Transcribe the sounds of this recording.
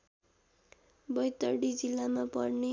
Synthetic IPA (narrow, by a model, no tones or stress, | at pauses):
bʌjt̪ʌɽid͡zilːamapʌɽne